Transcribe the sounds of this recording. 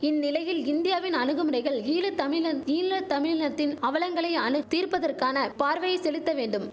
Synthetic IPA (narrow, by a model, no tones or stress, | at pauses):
ɪnːɪlɐjɪlɪnd̪ɪjaːʋɪnɐnɯɣɯmɯɾɐɪɣɐɭiːlɯt̪ɐmɪɐiːlɐt̪ɐmɪɻnɐt̪ːɪnɐʋɐlɐŋɡɐɭɐɪɐnɯt̪iːrpɐðɐrkaːnɐpaːɾʋɐjɐɪsɛlɪt̪ːɐʋeːɳɖɯm